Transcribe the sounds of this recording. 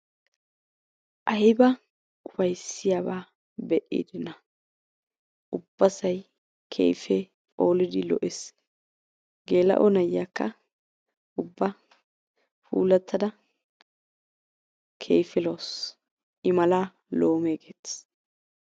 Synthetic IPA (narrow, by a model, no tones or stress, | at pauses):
ʔɐjbɐ | ʊfɐjsːɪjaːbaː | bɛʔḭːd̪ɪnɐ | ʔʊbːɐsɐj | kʰḛːfe | oːlɪd̪ɪlɔ̰ʔɛs | ɡe̞ːlɐ̰ʔɔnɐjːakːɐ | ʊbːɐ | fṵːlɐt̪ʰːɐd̪ɐ | kʰḛːfɪloːs | ʔɪmɐlaː | loːmeɡeːt̪